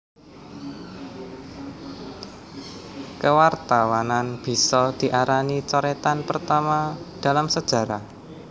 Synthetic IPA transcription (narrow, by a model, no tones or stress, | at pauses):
kəwart̪awananb̥i̤sɔd̪̥i̤ʔaɾanit͡ʃɔɾet̪anpərt̪amad̥a̤lamsəd̥ʒ̥a̤ɾa